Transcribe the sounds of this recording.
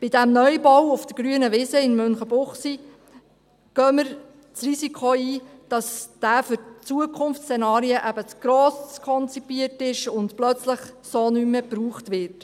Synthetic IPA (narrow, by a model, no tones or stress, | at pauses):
b̥ɪdæmnœjbɔwʊfd̥̪əɾɡ̥ɾyənəʋɪsəɪnmʏnχəbʊχsi | ɡ̥œːməɾ | t͡srisikχoiːd̥ɑsd̥æːfʏɾt͡suəkʰʊnft͡st͡senɑːɾiəʔæbət͡sɡ̥ɾɔːsskʰɔnt͡sipiətɪʃʊndplœt͡sləχsoːnymːəpɾuːχtʋɪt